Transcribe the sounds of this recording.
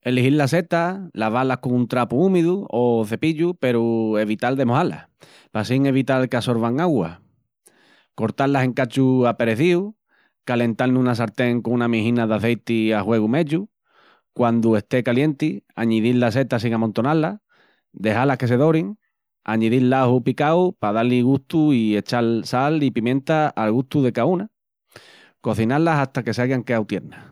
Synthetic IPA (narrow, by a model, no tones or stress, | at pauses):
e̞lihiɾlase̞t̪alaβalahkoŋunt̪ɾapuumeðuoθe̞piʎupe̞ɾue̞βit̪ald̪e̞mohala̰ | pasiŋe̞βit̪alkeaso̞ɾβaŋaɣwa̰ | ko̞ɾt̪alase̞ŋkat͡ʃuape̞ɾe̞θiu | kale̞nt̪alnũnas̬aɾt̪e̞ŋkoŋunamihinaðaθe̞jt̪iahwe̞ɣume̞ʎu | kwand̪ue̞st̪e̞kalje̞nt̪iaɲiðillas̬e̞t̪asiŋamõnt̪o̞nala | d̪e̞halahke̞s̬e̞ðo̞ɾiŋ | a̰ɲiðillahupikawpaðaliɣuht̪uie̞t͡ʃalsalipimjẽ̞nt̪aalɣuht̪uðe̞kauna | ko̞θinaɾlasaht̪ake̞saɣaŋkeawt̪je̞ɾna